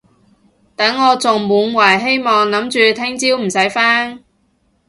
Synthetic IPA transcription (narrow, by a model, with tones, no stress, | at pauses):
t̪ɐ˨˥ŋːɔː˨˧t͡sʊ˨ŋmuː˨˧nwɐː˨˩jɦe˥jmɔː˨ŋlɐ˨˥mt͡ʃyː˨˧t̪ʰɪ˥ŋt͡siː˥wm̩˨˩sɐ˨˥jfaː˥ŋ